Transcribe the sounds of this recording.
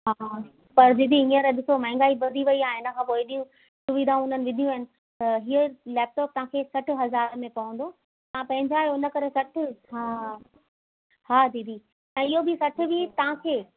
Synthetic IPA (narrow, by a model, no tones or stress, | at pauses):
ɦa | pɐɾd̪ɪd̪ʱiɦĩːə̃ɾɗɪsomɐ̃ːŋɡaːibɐd̪ʱiʋɐiaːɦɪnə̆kʰãːpoːiɗijũ | sʊʋid̪ʱaʊn̤ənɪ̆ʋɪd̪ʱijũɐɦɪnɪ̆ | t̪ɐɦiːəlɛːp̚ʈɔːp̚t̪ɐʋ̤ãkʰeːsɐʈʰɪ̆ɦɐzaːɾmẽpɐʋə̃n̆d̪o | ãpɐ̃ɦɪ̃ɲd͡ʑaːeʊnə̆kɐɾesɐʈʰɪ̆ɦaː | haːd̪iːd̪ʱi | ɛ̃ːɪɦobɪsɐʈʰɪ̆bɪt̪ɐʋ̤ãkʰeː